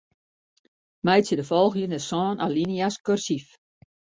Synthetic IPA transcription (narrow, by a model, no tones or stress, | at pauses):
mɛjsjədəfɔlˠxjənɛsɔːnʔalinjaskørsif